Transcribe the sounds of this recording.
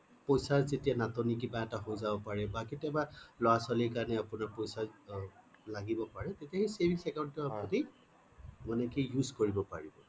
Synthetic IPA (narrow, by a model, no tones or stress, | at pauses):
pojsazetijanatɔnik̬ibaɛtaɦozabɔpaɹɛbaketiabalɔwasalikaɹnɛapʊnapojsa | laɡibɔpaɹɛtetijahejsebʱiksɛkaʊntɔapɹɔti | mɔnɛkijuzkoɹibɔpaɹibɔ